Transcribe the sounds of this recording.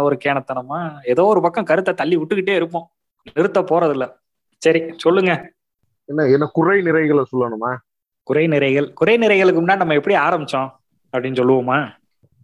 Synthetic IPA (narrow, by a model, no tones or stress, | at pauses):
ɔɾɯkeːɳɐt̪ːɐɳɐmːaːɛðoːɔɾɯpɐkːɐ̃kɐɾɯt̪ːɐt̪ɐlːiʋʊʈːɯkːɪʈ̬ːeːɪɾɯpːõː | nɪɾɯt̪ːɐpoːɾɐðɪlːɐ | sɐɾisɔlːɯŋɡɐ | ɛnːɐɛnːɐkʊɾɐɪnɪɾɐɪɣɐɭsɔlːɐɳɯmaː | kʊɾɐɪnɪɾɐɪɣɐɭkʊɾɐɪnɪɾɐɪɣɐɭɯkːɯmʊnːaːnɐmːɐɛpːɐɽiaːɾɐmbɪt͡ʃːõ | ɐpːɐɽɪnːɯsɔlːɯʋɐmaː